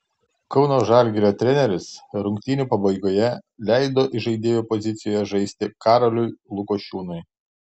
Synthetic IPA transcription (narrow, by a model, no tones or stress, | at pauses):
kɒʊnoːʒɑlʲɡʲɪɾʲoːt̪ʲɾʲɛnʲɛɾʲɪsɾʊŋkʲt̪ʲɪnʲuːpɐbɐɪɡoːjɛlʲæɪd̪oːʔɪʒɐɪd̪ʲeːjoːpɔzʲɪt̪sʲɪjoːjɛʒɐɪsʲt̪ʲɪkɑːɾolʲʊɪlˠʊkoːʃʲuːnʊɪ